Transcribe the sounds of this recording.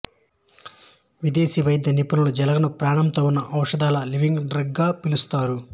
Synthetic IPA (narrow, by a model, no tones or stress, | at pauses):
ʋid̪eːsiʋɐjɐd̪jɐnipunulud͡ʒɛlɐɡɐnɐpɾaːɳɐmt̪o̞ːunːɐʔɐwʂɐd̪aːlɐliʋiŋɡɖɾɐɡːaːpilust̪aːɾu